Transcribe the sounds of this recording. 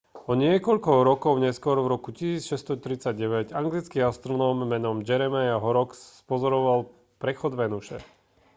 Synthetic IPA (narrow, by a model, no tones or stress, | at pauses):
ɔɲɪɛkɔʎkɔɾɔkɔʊɲɛskʊɔɾvɾɔkucisiːt͡sʃɛst̪ɔt̪ɾit͡saɟɟɛʋɛɟaŋɡlit͡skiast̪ɾɔnɔmːɛnɔmd͡ʒɛɾɛmɛjaɦɔɾɔksːpɔzɔɾɔʋal | pɾɛxɔd̪ʋɛnuʃɛ̰